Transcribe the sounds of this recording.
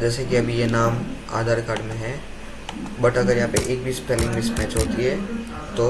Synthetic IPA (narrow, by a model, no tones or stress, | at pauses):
d͡ʒɛːsekiɐbʱijenaːma̰ːd̪ʱaːɾkaːɖmẽɦɛ̃ | bɐʈɐɡəɾjɐɦãːpḛʔeːk̚bʱispɛːlɪ̃ŋɡmismɛːt͡ʃɦoːt̪iɦɛː | t̪oː